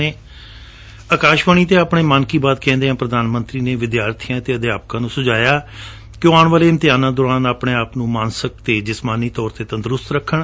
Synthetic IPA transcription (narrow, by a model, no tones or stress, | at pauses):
eː | əkaːʃʋəɳ̃iːt̪eːaːpɳeːmaːnkiːbaːd̪kɛ̃ːnd̪eːãːpɾəd̪aːnmə̃nt̪ɾiːneːʋɪd̪jaːɾt̪ʰiːãːt̪eːəd̪jaːp̚kãːnũːsʊd͡ʒaːjaː | kjoːaːɳʋəːleːɪmt̪ɪjaːnãːd̪ʊɾaːnaːpɳeːaːpnũːmaːnsək̚t̪eːd͡ʒɪsmaːniːt̪ɔːɾt̪eːt̪ə̃nd̪ɾʊst̪ɾəkʰːəɳ